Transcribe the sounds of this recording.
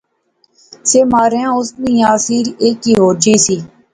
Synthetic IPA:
seːmaːɾeãːʊsnĩːjaːsiːɾeːkːiːɦoːd͡ʒiːsiː

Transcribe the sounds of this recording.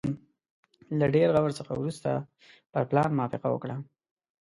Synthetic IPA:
laɖeɾɣawəɾsəxa̰wɾust̪a̰ | pəɾplɑnmʊɑfɪqa̰wə̰kɽa

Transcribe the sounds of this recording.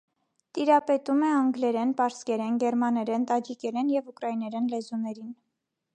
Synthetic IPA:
t̪iɾɑpɛt̪umɛɑŋɡlɛɾɛnpɑɾskɛɾɛnɡɛɾmɑnɛɾɛnt̪ɑd͡ʒikɛɾɛnjɛvukɾɑinɛɾɛnlɛzunɛɾin

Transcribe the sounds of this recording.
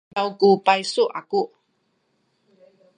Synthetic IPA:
awkupaisuʔaku

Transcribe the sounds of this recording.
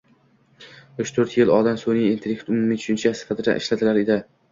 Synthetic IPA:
ʊt͡ʃt̪ʰɵɾt̪jɪlɒd̪ansonɪint̪ʰelʲekt̪ʊmʊmɪt͡ʃʰʊ̥ʃɪnt͡ʃʰasɪ̥fat̪ʰɪd̪a̰ʔɪ̰ʃlat̪ʰɪlaɾɪd̪ɪ

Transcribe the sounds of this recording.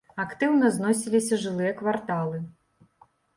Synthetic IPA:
akt̪ɨwnɐznɔsʲilʲisʲɐʐɨlˠɨjɐkvart̪alˠɨ

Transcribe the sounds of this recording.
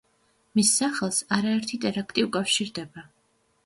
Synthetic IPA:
misːaχɛlˠsaɾaɛɾt̪ʰit̪ʼɛɾakʰt̪ʼiukʼafʃiɾd̪ɛba

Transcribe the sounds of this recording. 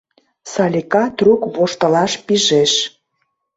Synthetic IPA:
sɑlʲikɑt̪rukβoʃt̪ə̆lɑʃpiʒeʃ

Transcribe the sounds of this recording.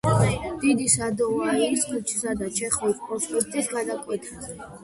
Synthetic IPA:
d̪̥id̪isad̪ɔvaiɾiskʰut͡ʃʰi̥sad̪at͡ʃʰɛχɔispʼɔnspɛkt̪ʼisɡad̪akʼwɛt̪ʰas

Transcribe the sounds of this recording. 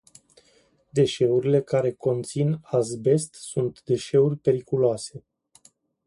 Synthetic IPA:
d̪e̞ʃe̞uɾile̞kaɾe̞ko̞nt̪sinazbe̞st̪sunt̪d̪e̞ʃe̞urʲpe̞ɾikuloase̞

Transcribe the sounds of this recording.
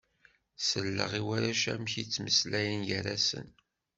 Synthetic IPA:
səlːə̰ʁiwaɾaʃæ̰mçit͡sːməslæjənjəɾæsə̰n

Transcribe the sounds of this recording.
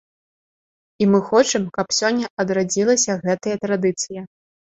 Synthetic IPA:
imɨxɔt͡ʂɐmkɐpsʲɔnʲːɐʔɐd̪ɾad͡zʲilˠɐsʲɐɣɛt̪ɐjɐt̪ɾad̪ɨt̪sɨjɐ

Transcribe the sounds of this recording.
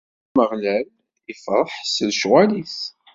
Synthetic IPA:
məʁlæl | ifəɾˤħsəðʃwælis

